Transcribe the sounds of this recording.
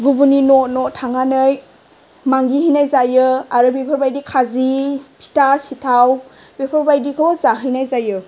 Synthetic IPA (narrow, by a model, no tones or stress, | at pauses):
ɡubuninotnɔtʰaŋanɯj | maŋɡiɦijnajzajɯaɾɯbepʰɔɾbajdikʰazipʰi̥tasitʰaw | bepʰɔɾbajdikʰɯwɔzaɦɯjnajzajɯ